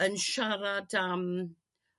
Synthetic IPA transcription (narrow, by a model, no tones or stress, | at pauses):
ənʃaɾadam